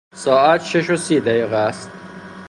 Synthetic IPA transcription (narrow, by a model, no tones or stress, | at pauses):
sɒːæt̪ʃeʃosiːd̪æjiːɣææst̪